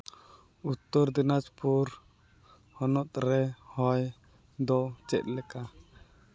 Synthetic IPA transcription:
ut̪ːɔɾd̪inat͡ʃpuɾ | hɔnɔt̪̚ɾɛhɔj | d̪ɔt͡ʃɛt̪̚ˀlɛka

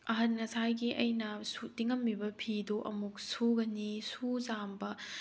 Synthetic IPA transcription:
ɐɦɐnŋɐsajɡiʔɐjnɐsutiŋɐmːibɐpʰidoʔɐmuk̚suɡɐnisuzambɐ

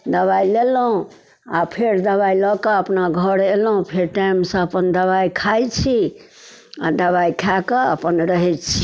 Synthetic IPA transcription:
d̪əbajlelɦũ | apʰeɾd̪əβajlɔkəəpnaɡʱəɾelɦũpʰeɾʈajmsə̃əpənd̪əβajkʰajt͡ʃʰi | ad̪əbajkʰakəə̰pənɾəɦɛtt͡ʃʰi̥

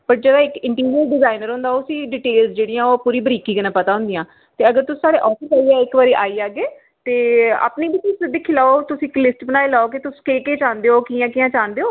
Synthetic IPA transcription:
pəʈ̚d͡ʒəd̪aːɪkɪ̃ɳʈiːɾiəlɖɪzaːɪnəɾɦʊ̃ːnd̪aːoʊsĩːɖiːʈeːlzd͡ʒeːɽiːãːoːpuːɾiːbəɾiːkiːkənãːpət̪aːɦʊ̃nd̪ijãː | t̪eːəɡəɾt̪ʊsĩːsaːɽeːʔɔːfɪsaːiːaːɪkʋaːɾiːʔaːiːaːɡeː | t̪eːa̰ːpniːbitɪsəd̪ɪkʰːiːlaːoːt̪ʊsĩːklɪsʈbənaːelaːoːkit̪ʊsĩ̥keːkeːt͡ʃãːnd̪eːoːkiːjãːkijãːt͡ʃãːnd̪eːoː

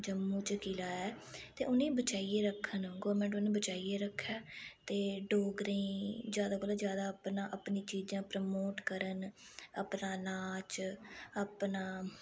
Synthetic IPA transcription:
d͡ʒəmːũːt͡ʃkiːlaːɛː | t̪ḛːʔʊnẽːbət͡ʃaːiːeːɾəkʰːənɡoːɾmɛ̃ːɳʈʊnẽːbət͡ʃaːiːeːɾəkʰːjaːt̪eːɖoːɡɾẽːd͡ʒjaːd̪aːkoːlaːzjaːd̪aːəpnãːʔəpnĩːt͡ʃiːd͡ʒãːpɾəmoːʈkəɾənəpnaːlaːt͡ʃəpnaː

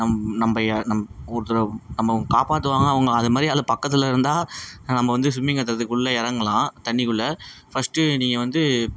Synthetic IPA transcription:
nɐmnɐmbɐjɐnɐmɔɾɯt̪ːɯɾɐnɐmːɐɐŋɡɐkaːpaːʈ̬ːɯʋaːŋɡɐːʋɐŋɡɐːðɯmaːd̪ɾiaːlɐpɐkːɐt̪ːɯlɐɪɾɯnd̪aːnɐmːɐʋɐnd̪ɯsʊmːɪŋɡɐt̪ːɪɾɐt̪ːɯkːɯɭːɐɪɾɐŋɡɐlãːt̪ɐɳːɪkɯɭːɐfɐsʈːɯniːŋɡɐʋɐnd̪ɯ

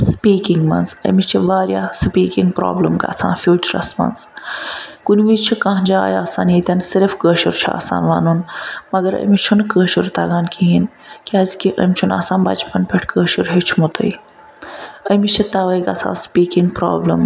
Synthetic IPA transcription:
spiːkiŋɡmɐ̰nzə̰mit͡ʃʰiʋaːɾjaːspiːkiŋɡ̚pɾo̰ːbləmɡa̰ːt͡sʰã̰ːfjuːt͡ʃəɾɐ̰smɐ̰nz | kunʲʋit͡ʃʰikãːɦd͡ʒa̰ːja̰ːsaːnit̪ʲɐnsiɾfkəːʃuɾt͡ʃʰua̰ːsa̰ːnʋaːnunmɐɡəɾə̰mit͡ʃʰunkəːʃuɾt̪ɐɡaːnkiɦin | kiɐːzkiʔəmʲt͡ʃʰuna̰ːsaːnbɐ̰t͡ʃpɐnpʲeʈʰkəːʃuɾɦet͡ʃʰmut̪ʰə̰j | əmit͡ʃʰit̪ɐʋəjkɐt͡sʰa̰ːspiːkiŋɡpɾa̰ːbləm

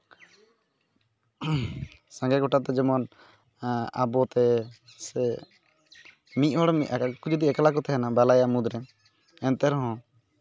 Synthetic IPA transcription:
sãŋɡɛɡɔʈat̪ɛd͡ʒɛmɔn | a̰bɔt̪ɛsɛ | miʔɦɔɽmiʔkud͡ʒud̪iɛklakɔt̪ʰɛɦɛnabalajamud̪ɾɛ | ɛnt̪ɛɾɦɔ̃

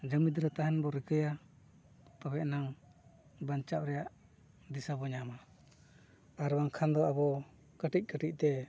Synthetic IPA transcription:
d͡ʒəmid̪ɾət̪aɦɛnbɔɾəkəja | t̪abɛʔnaŋ | baɲt͡ʃap̚ɾɛjaʔ | d̪isabɔɲama | aɾwaŋkʰand̪ɔabɔ | kəʈic̚ˀkəʈic̚t̪ɛ

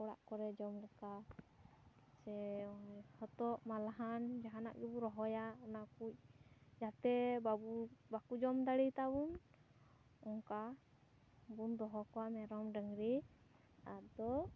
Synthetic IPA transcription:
kɔɽa̰ʔkɔɾɛd͡ʒɔmɾɛka | sɛ | hɔt̪ɔʔmalaɦand͡ʒaɦana̰ʔɡɛbuɾɔɦɔjaɔnakuc̚d͡ʒat̪ɛbaubakud͡ʒɔmd̪aɽit̪abun | ɔŋka | bund̪ɔɦɔkɔwamɛɾɔmɖəŋɾi | ad̪ɔ

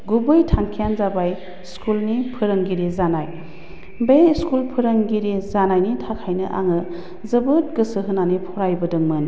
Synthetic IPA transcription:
ɡubɯjtʰaŋkʰijanzabaj | skulnipʰɯɾɯŋɡiɾizanaj | beskulpʰɯɾəŋɡiɾizanajnitʰakʰajnɯʔa̰ŋɯ | zɐbɯt̚ɡɯsɯɦɯnanipʰɔɾajbɐdɯŋmɯn

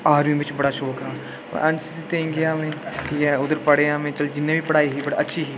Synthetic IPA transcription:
aːɾjĩbɪt͡ʃbɐɽaʃoːka̰ː | ʔɐ̃nt͡ʃisit̪eĩŋɡeamẽʈʰiːkɦɛʊd̪əɾpɐɽeamẽt͡ʃɐld͡ʒɪnːẽbʱipɐɽaːiɦibɐɽaɐtːʃʰiɦiː

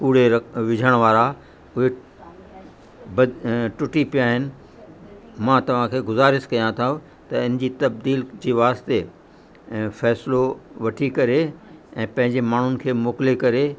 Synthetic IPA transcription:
kuːɽ̤eɾɐʋɪd͡ʑʱəɽ̃ʋaːɾa | ʊɦe | bɐʈʊʈipijaːɦɪnɪ̆ | mãːt̪ɐʋ̤ãkʰeːɡʊzaːɾɪskɐjãt̪ʰaɦũ | t̪ɐɪ̃n̤ɪd͡ʑiːt̪ɐb̚d̪iːld͡ʑiːʋaːst̪e | fɛːsloʋɐʈʰikɐɾeɛ̃ːpɐ̃ɦɪ̃ɲd͡ʑemaːɳ̤ʊnɪ̆kʰeːmoːkɪlekɐɾe

